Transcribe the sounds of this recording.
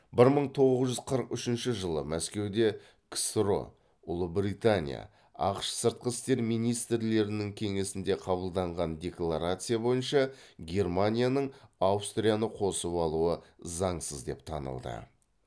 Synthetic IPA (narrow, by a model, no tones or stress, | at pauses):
bɪɾməɴt̪ʰo̞ʁəəzʒʏzqʰəɾəqʏʃɪnʃɪʒəlˠəmæskʲe̞wd̪e̞ | ksɾo̞̰ | ʊlˠəbrit̪anʲḭja̰ | ɑ̰qʃsəɾt̪̚qəst̪e̞ɾmijnijst̪ɾle̞ɾɪnɪŋkʲʰe̞ŋe̞sɪnd̪e̞qʰɑβəlˠd̪ɑɴʁɑnd̪ʲe̞klˠaɾat̪sɨjabo̞jənʃɑɡʲe̞rmanʲijanəɴawst̪ɾʲijanəqʰo̞səpɑlˠuəzɑɴsəzd̪e̞̰pt̪ʰɑ̰nə̰lˠd̪ə̰